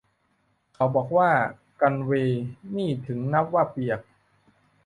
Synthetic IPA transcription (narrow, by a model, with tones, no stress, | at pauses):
kʰa˨˦wbɔː˨˩k̚waː˥˩ | ka˧nweː˧niː˥˩t̪ʰɯ˩˦ŋna˦˥p̚waː˥˩pi˨˩ək̚